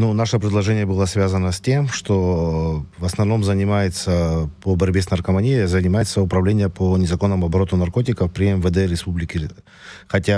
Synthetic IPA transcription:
nunaʂəpɾʲɪd̪lˠɐʐɛnʲɪjəbɨlˠəsvʲazənəsʲtʲe̞mʂt̪o | vəsnɐvno̞mzənʲɪmajɪt̪səpəbɐɾʲbʲe̞snɐrkəmɐnʲijəzənʲɪmajɪt̪səʊpɾɐvlʲenʲɪjəpʰənʲɪzɐko̞nːəmʊɐbɐɾo̞t̪ʊnɐrko̞t̬ʲɪkəfpɾʲɪɛmvəd̪ɛɾʲɪspublʲɪkʲɪ | xɐtʲa

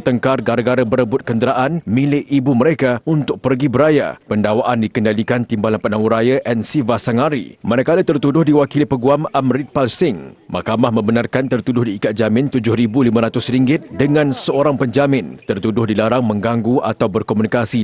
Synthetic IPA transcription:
t̪əŋkarɡaɾaɡaɾəbəɾəbʊt̪̚kəndəɾaʔanmĩlɪʔibuməɾekaunt̪ʊk̚pərɡibəɾaja̰pəndawaʔandikəndalikant̪imbalanpanãŋuɾajaʔɛnsivasaŋaɾḭmaɾakalat̪ərt̪udʊhdiwakilipəɡuamamɾit̪̚palsɪŋmahkamahmə̃mbənarkant̪ərt̪udʊhdiːkat̪̚d͡ʒamɪ̃nt̪ud͡ʒʊhɾibulimə̃ɾat̪ʊsɾiŋɡɪt̪̚dəŋãnsəoɾaŋpəɲd͡ʒamɪ̃nt̪ərt̪udʊhdilaɾaŋmə̃ŋɡaŋɡua̰t̪awbərkomunikasi

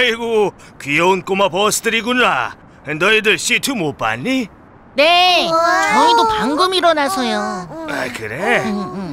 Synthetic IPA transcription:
iɡo | kɥiʌunk͈omapʌsʰɯ̥tʰɯɾiɡunɾa | ndʌidɯɭɕitʰɯmop͈a̰nːi | ne̞t͡ɕʌidopaŋɡɯmiɾʌnasʰʌjoakɯɾe

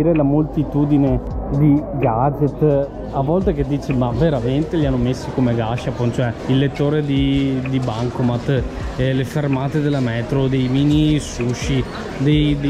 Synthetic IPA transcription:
iɾelamolt̪it̪uːd̪ined̪iɡad͡ʒet̪ː | avːɔlt̪ek̟ed̪ːiːt͡ʃemaveɾament̪eʎianːomesːikomeɡaʃapont͡ʃoɛilːet̪ːoːɾed̪id̪ibaŋkomat̪ːlefermaːt̪ed̪elːamɛːt̪ɾod̪ejmiːnisuʃːi | d̪ej̪

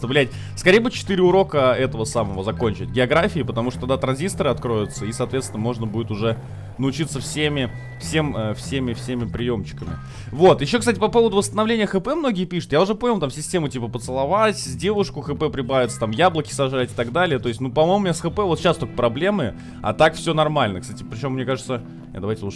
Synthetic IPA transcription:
t̪əvlʲæt̚ʲ | skɐɾejəbud̪t͡ɕɪt̪ɨɾʲɪʊɾo̞kəɛt̪əvəsaməvəzɐko̞nʲt͡ɕɪt̚ʲɡʲɪɐɡɾafʲɪːpət̪ɐmuʂt̪ot̪ɐɡ̚d̪at̪ɾɐnzʲist̪əɾɨɐt̪kɾo̞jʊt̪səisɐːt̪vʲet̪stʲɪnəmo̞ʐnəbudʲɪt̪ʊʐɛ | nəʊt͡ɕit̪səfsʲemʲɪ | fsʲe̞məfsʲemʲɪfsʲemʲɪpɾʲɪjo̞mɕt͡ɕːɪ̥kəmʲɪ̰ | vo̞t̪jɪɕːo̞kst̪at̬ʲɪpɐpo̞vəd̪ʊvəst̪ənɐvlʲenʲɪjəxɨpɛmno̞ɡʲɪjəpʲiʂʊ̥t̪jaʊʐɛpojmʲɪlt̪amsʲɪsʲtʲe̞mʊtʲipəpət̪sɨlˠɐvatʲzdʲe̞vʊʂkʊxɨpɛpɾʲɪbavʲɪt̪sə̥t̪amjablˠəkʲɪ̥sɐʐatʲɪ̥t̪ɐɡd̪alʲɪjət̪o̞ɪsʲtʲnupɐmojmʊmʲnʲsxɨpɛvot̪ɕast̪okə̥pɾɐblʲemɨ | ɐ̰t̪akfsʲo̞nɐrmalʲnəkst̪atʲɪpɾʲɪt͡ɕe̞mːnʲekaʐɨt̪sə | a̰d̪ɐvajtʲɪuʂ

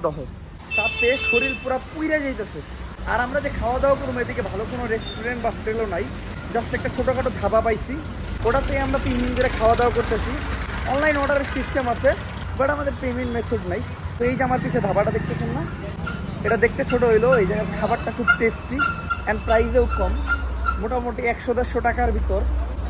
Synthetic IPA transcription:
d̪ɔɦo | t̪at̪eʃoɾilpuɾapujɾed͡ʑajt̪asʰe | a̰ɾamɾad͡ʑekʰaoad̪ɛokoɾumed̪ikebʱalokonoɾesʈuɾeɳʈ̚bafʈelonaj | d͡ʑasʈeɛk̚ʈat͡ɕʰoʈokaʈod̪ʱabapajsʰi | oʈat̪eeamɾapimmiŋd̪eɾekʰaoad̪aokoɾt̪asʰiɔnlajnɔɽaɾeɾsisʈemat͡ɕʰe | baɽaamad̪eɾpeminmet̪ʰoɖnaj | t̪oejd͡ʑamaɾpit͡ɕʰed̪ʱabaʈad̪ek̚ʰt̪esʰenːa | eʈad̪ek̚ʰt̪et͡ɕʰoʈoɦojloejd͡ʑanekʰabaʈʈakʰub̚ʈesʈiɛnpɾajzewkɔmːoʈamoʈiɛkʃod̪ɛʃoʈakaɾbʱit̪oɾ

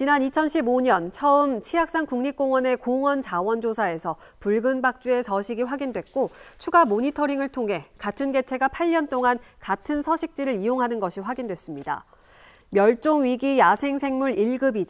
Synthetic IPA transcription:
t͡ɕinanit͡ɕʰʌnɕʰiboɲʌnt͡ɕʰʌɯmt͡ɕʰiak̚s͈aŋkuŋɲik͈oŋwʌne̞koŋwʌnt͡ɕawʌnd͡ʑosʰae̞sʰʌ | puɭɡɯnbak̚t͡ɕ͈ue̞sʰʌɕʰiɡiɸwaɡindwe̞t̚k͈ot͡ɕʰuɡamoɲitʰʌɾiŋɯɭtʰoŋɦe̞katʰɯnɡe̞t͡ɕʰe̞ɡapʰaʎːʌnt͈oŋankatʰɯnsʰʌɕʰik̚t͡ɕ͈iɾɯɾijoŋɦanɯnɡʌɕʰiɸwaɡindwe̞s͈ɯmɲida̰ | mjʌɭt͡ɕ͈oŋɥiɡijasʰe̞ŋsʰe̞ŋmuɾiɭɡɯbid͡ʑ

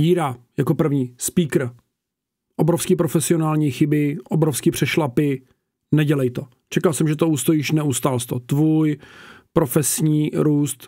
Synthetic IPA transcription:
jiːɾajako̞pr̩vɲiːspiːkɾ̩ | ʔobɾofskiːpɾofɛsɪo̞naːlɲiːxɪbɪʔobɾofskiːpr̥ɛʃlapɪ | nɛɟɛlɛjt̪o̞ | t͡ʃɛkalsɛmʒɛt̪ouːst̪ojɪʃnɛust̪aːlst̪ot̪vuːjpɾo̞fɛsɲiːɾuːst̪

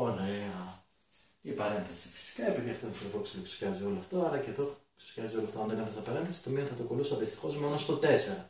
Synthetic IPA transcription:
oɾeɐ | ipɐɾe̞nθɐsi̥fi̥si̥kɐepeðiɐft̪ont̪ɾopoksiloksu̥çʲɐzio̞loɐft̪o̞ɐɾɐceðoksi̥çɐzioloɐft̪oɐnðenefɐzɐpɐɾenθɐsi̥t̪omiɐnθɐt̪okolusɐist̪i̥xo̞zmeonɐst̪ot̪e̞se̞ɾɐ

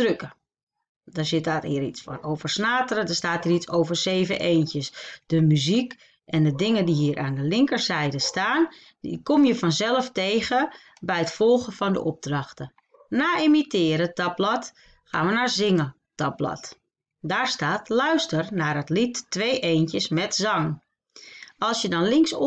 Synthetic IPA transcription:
d̥røkə | dɔsɪtaːtiːɾitsfɔ̰nowvərsnaːtəɾədəstaːtiːritsowvərseːvəʔeːntjəsd̥əmyzik | ɛndədɪŋəndiɦiːəɾʔaːndəlɪŋkəɹsɛjdəstaːn | ḭkomjəfɔnzɛlˠəfteːɣə | bɛjətfɔlˠɣəfɔndə̰ʔɔb̚drɑxtə | naːimitɪːɾətɑblɔt | xa̰ːnʋənaːɹzɪŋə | tɑblɔ̰t | daːɹstaːtlœɥstərnaːɾətlitːʋeːʔeːntjəsmɛtzɑŋ | ɑlˠsjədɔnlɪŋs

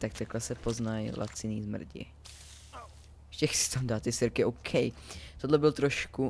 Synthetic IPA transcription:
t̪ak̚t̪aklɛsɛpo̞znajlʔa̰t͡sɪniːzmr̩ɟɪ̰ | ʃcɛxsɪ̥t̪amdaːt̪ːɪsɪɾkɪowkʰɛjt̪odlɛbɪlt̪ɾoʃku

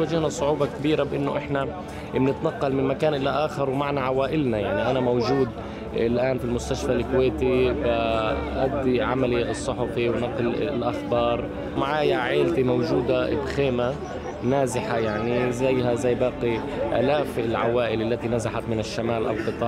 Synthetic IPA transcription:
waʒːɪhnasˤʊʕuːbɑkabiːɾabʔɪnːoʔɪħna | bnɪt̪nɑqːɑlmɪnmakaːnʔɪlːaʔaːxɪɾwmaʕnaʕawaːʔɪlnajaʕniʔanamowʒuːd̪ | ɪlʔaːnfilmʊst̪aʃfalkweːt̪ibaʔad̪ːiʕamalisˤːʊħʊfiwnɑqllʔaxbɑːɾˤ | maʕaːjaʕeːlt̪imowʒuːd̪aʔɪ̰bxeːma | naːzɪħajaʕnizajːɦazajːbɑːqi | ʔa̰ːlaːfɪlʕa̰waːʔɪlʔalːat̪inazaħat̪mɪnɪʃːamaːlʔa̰lqɨt̪ˤɑː

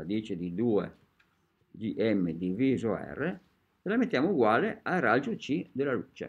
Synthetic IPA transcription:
ad̪it͡ʃɪd̪id̪uːḛ | d͡ʒiʔɛmːed̪ivizoɛ̰rːe | telamet̪ːjaːmouɡwaːleaɾad͡ʒut͡ʃid̪elaluːt͡ʃḛ

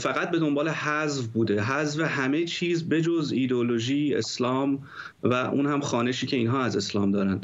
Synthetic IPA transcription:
fæɣæt̪̚be̞d̪o̞mbɒːle̞hæzvbuːd̪eɦæzveɦæmet͡ʃʰiːzbe̞d͡ʒo̞ziːd̪eolo̞ʒiːe̞̰slɒːm | væʔṵːnhæmxɒːneʃiːcʰe̞iːnɦɒːæze̞slɒːmd̪ɒːɾænd̪̥

